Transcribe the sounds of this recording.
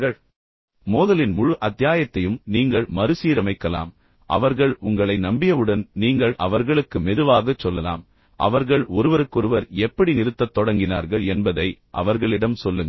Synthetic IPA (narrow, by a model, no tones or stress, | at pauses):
ɐɭ | moːðɐlɪnmʊɻʊʔɐt̪ːɪjaːjɐt̪ːɐjɯmniːŋɡɐɭmɐɾɯsiːɾɐmɐɪkːɐla̰ːm | ʔɐ̰ʋɐɾɣɐɭʊŋɡɐɭɐɪnɐmbɪjɐʋɯɽɐnniːŋɡɐɭɐʋɐɾɣɐɭɯkːɯmɛðɯʋaːɣɐt͡ʃːɔlːɐla̰ːm | ʔɐ̰ʋɐɾɣɐɭɔɾɯʋɐɾɯkːɔɾɯʋɐɾɛpːɐɽinɪɾɯt̪ːɐt̪ːɔɽɐŋɡɪna̰ːɾɣɐɭɛnbɐðɐɪʔɐ̰ʋɐɾɣɐɭɪɽɐmsɔlːɯŋɡɐ